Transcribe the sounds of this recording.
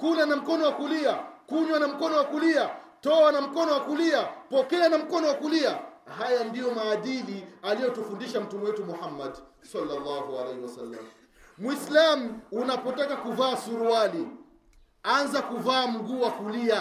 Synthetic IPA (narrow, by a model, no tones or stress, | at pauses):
kulanam̩kɔnɔwakuliakuɲwanam̩kɔnɔwakuliatɔwanam̩kɔnɔwakuliapɔkɛanam̩kɔnɔwakuliahajandijɔmaːɗilialijɔtufundiʃam̩tumɛwɛtumuhamːadsalːalːahua̰lɛhiwasalːa̰m | mwislamuunapɔtakakuvaːsuɾuali | anzakuvaːm̩ɡuːwakulia